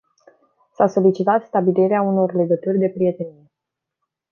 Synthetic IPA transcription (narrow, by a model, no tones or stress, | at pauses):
saso̞lit͡ʃit̪at̪st̪abiliɾeauno̞rle̞ɡət̪urʲd̪e̞pɾije̞t̪e̞nije